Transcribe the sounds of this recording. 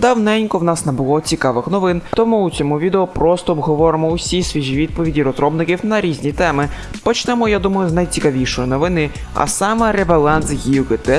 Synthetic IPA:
d̪ɑwnɛnʲkɔwnɑsnɛbʊlˠɔt͡sʲikɑʋɪxnɔʋɪnt̪ɔmuːt͡sʲɔmuʋʲid̪eɔpɾɔst̪ɔːbɦɔʋɔɾɪmɔʊsʲisʲʋʲiʒʲiʋʲid̪̚pɔʋʲidʲiɾɔzɾɔbnɪkʲiwnɐɾʲizʲnʲit̪ɛmɪ | pɔt͡ʃnɛmɔjad̪umɐjʊznɐjt͡sʲikɐʋʲijʃɔjinɔʋɪnɪ | ɐ̰sɑmɐɾebɐlˠɑnsjʲiʊkɪt̪ɛ

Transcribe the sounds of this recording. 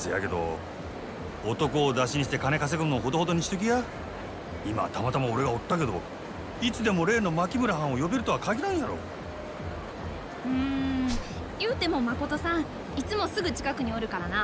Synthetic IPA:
sejake̞d̪o̞̰ | t̪o̞ko̞ːd̪aɕiɲ̟iɕ̬it̪e̞kane̞kas̬e̞kɯnoːɦo̞d̪ood̪o̞ɲ̟iɕi̥t̪ek̬ʲija | ima̰t̪amat̪amao̞ɾe̞ɡao̞t̪ːake̞d̪o̞̰ | it͡sɨd̪e̞mo̞ɾe̞ːno̞makʲimɯ̟ɾaɦão̞jo̞beɾɯ̟t̪o̞βakaɡʲiɾãɰ̃jaɾo̞̰ː | ɯ̟̃ | jɯ̟ːt̪e̞mo̞mako̞t̪o̞sãŋ̃ | it͡sɨmo̞sɨɡɯ̟t͡ɕi̥kakɯ̟ɲ̟io̞ɾɯ̟kaɾana

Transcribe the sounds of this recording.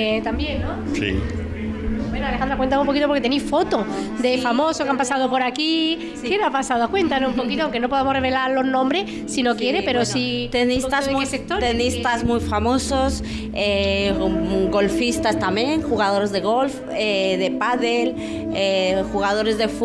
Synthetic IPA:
t̪ambjennõ | sḭ | bwenoalexãnɾakwenanoumpokit̪opoɾket̪enifo̞t̪od̪efamosokampasað̞opoɾaki | kenapasaðokwe̞nt̪anosumppokit̪oaŋkenopo̞ðemoreβ̞elaɾlo̞znõmbɾe | sinokjeɾepeɾosit̪enist̪azesek̚t̪oɾt̪enist̪azmujfamosos | e | ɡo̞lfist̪ast̪amjeŋxuɣaðoɾezðeɣolf | eðepaðel | exuɣaðoɾezðef

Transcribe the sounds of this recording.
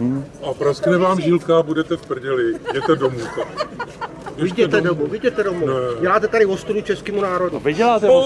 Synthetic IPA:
ʔapɾasknɛvaːmʒɪlkabudɛt̪ɛfpr̩ɟɛlɪɟɛt̪ɛdomut̪ak | jvɪɟɛt̪ɛdomuvɪɟɛt̪ɛdomunɛjɛlaːt̪ɛt̪aɾɪvost̪udut͡ʃɛskiːmunaːɾo̞duvɪɟɛlaːt̪ɛ

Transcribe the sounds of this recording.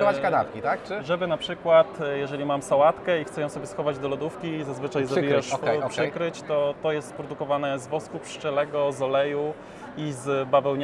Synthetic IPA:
ɔvat͡ɕkanat̪kʲit̪ak̚t͡ʂɘʐɛbɘnapʂɘkwat̪jɛʐɛlʲimamsawat̪kɛixt̪sɛjɔ̃msɔbʲjɛsxɔvad͡ʑd̪ɔlɔd̪ufkʲizazvɘt͡ʂajzɔbijaʂɛpʂkɾɘt͡ɕt̪ɔt̪ɔjɛst̪pɾɔd̪ukɔvanɛzvɔskupʂt͡ʂɛlɛɡɔzɔlɛju | izbavɛwɲ

